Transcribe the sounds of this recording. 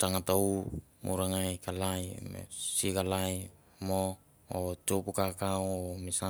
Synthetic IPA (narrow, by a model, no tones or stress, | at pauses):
t͡ʃaŋatow | mṵɾaŋajkalajmḛsikalaj | mo | ot͡ʃopukakawomisa